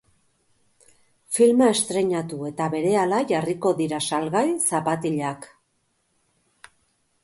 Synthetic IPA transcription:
filmae̞st̪ɾe̞ɲat̪ue̞t̪aβe̞ɾe̞alaʝariko̞ðiɾasalɣajsapat̪iʎak

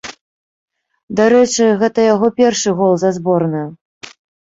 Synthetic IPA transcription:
d̪aɾɛt͡ʂɨɣɛt̪ɐjaɣɔpʲɛrʂɨɣɔlˠzazbɔrnɨ

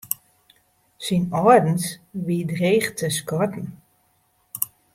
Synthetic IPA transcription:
sinɔdn̩sʋidreːxtʰəskɔtn̩

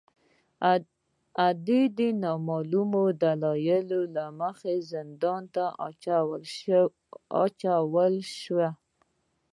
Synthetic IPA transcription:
ad̪ed̪enɑmɑlumod̪alɑjəlolaməxezɪnd̪ɑnt̪a | l | ɑ̰t͡ʃawəlʃwa

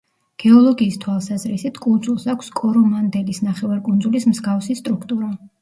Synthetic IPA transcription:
ɡ̥ɛɔlˠɔɡiːst̪ʰwalˠsazɾisit̪ʰkʼund̪zulˠsakʷʰskʼɔɾɔmand̪ɛlisnaχɛvaɾkʼundzulismzɡafsist̪ʼɾukʰt̪ʼuɾa

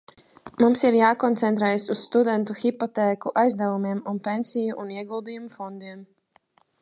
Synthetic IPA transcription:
mumsiɾjaːkɔnt̪sɛnt̪ɾɛːjesusːt̪ud̪ɛnt̪uxipɔt̪eːkuʔajzd̪ɛvumiɛmunpensijuʔuniɛɡulˠd̪ijumufɔnd̪iɛm

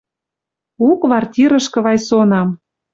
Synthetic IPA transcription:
ukβɑrtʲiɾə̆ʃkɤ̆βɑjsonɑm

